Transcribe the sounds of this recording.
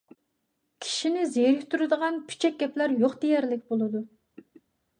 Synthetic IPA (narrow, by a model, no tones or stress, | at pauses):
kʲʰi̥ʃinɪzejɾɪhʲt̪uɾɨd̪əʁɑnpʰy̥t͡ʃʰɛk̚ʲɡʲɛplæɾjoχd̪ejɛɾlɪkʲbolˠɨd̪u